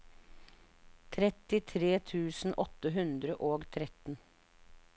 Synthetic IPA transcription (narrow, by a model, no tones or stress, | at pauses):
t̪ʰɾɛt̪ɪt̪ʰɾeːt̪ʰʉːsn̩ʔɔt̪əɦʉnd̪ɾəʔoːɡt̪ʰɾɛt̪n̩